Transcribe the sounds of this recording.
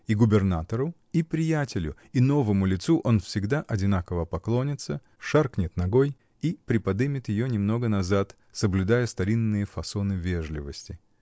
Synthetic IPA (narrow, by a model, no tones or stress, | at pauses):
iɡʊbʲɪrnat̪əɾʊ | ipɾʲɪjætʲɪlʲʊ̰ | ino̞vəmʊlʲɪt̪suʔo̞nfsʲɪɡd̪aʔɐdʲɪnakəvəpɐklˠo̞nʲɪt̪sə | ʂarknʲɪt̪nɐɡoj | ipɾʲɪpɐd̪ɨmʲɪt̪jɪjonʲɪmno̞ɡənɐzat̪ | səblʲʊd̪ajəst̪ɐɾʲinːɨjəfɐso̞nɨvʲeʐlʲɪ̰vəsʲtʲɪ